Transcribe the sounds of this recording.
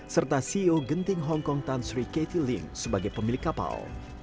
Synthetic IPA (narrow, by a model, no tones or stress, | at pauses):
sərt̪asioɡənt̪ɪŋɦɔŋkɔŋt̪ansɾiket̪ilɪ̰ŋsəbaɡajpəmilɪkːapa̰l